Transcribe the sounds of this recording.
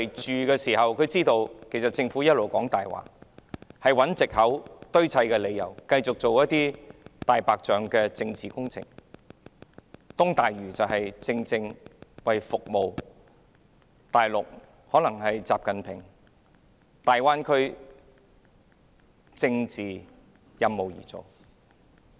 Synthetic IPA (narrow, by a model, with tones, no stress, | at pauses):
jt͡ʃyː˨kɛː˧siː˨˩hɐ˨wkʰɵ˨˧ɥt͡siː˥t̪o˧wkʰe˨˩sɐ˨t̚t͡sɪ˧ŋfu˨˥jɐ˥t̚lo˨wkɔː˨˥ŋt̪aː˨jwa̰ː˨˩ | hɐ˨jwɐ˨˥nt͡sɪ˨k̚hɐ˨˥wt̪ɵ˥ɥt͡sʰɐ˧jkɛː˧le˨˧jɐ̰˨˩wkɐ˧jt͡sʊ˨k̚t͡so˨wjɐ˥t̪̚iː˥t̪aː˨jpaː˨k̚t͡ʃœː˨ŋkɛː˧t͡sɪ˧ŋt͡siː˨kʊ˥ŋt͡sʰɪ̰˨˩ŋ | t̪ʊ˥ŋt̪aː˨jɥyː˨˩t͡sɐ˨whɐ˨jt͡sɪ˧ŋt͡sɪ˧ŋwɐ˨jfʊ˨k̚mo˨w | t̪aː˨jlʊ˨k̚ | hɔː˨˥lɐ˨˩ŋhɐ˨jt͡saː˨p̚kɐ˨npʰɪ̰˨˩ŋ | t̪aː˨jwaː˥nkʰɵ˥ɥ | t͡sɪ˧ŋt͡siː˨ | jɐ˧mːo˨wjḭː˨˩t͡so̰˨w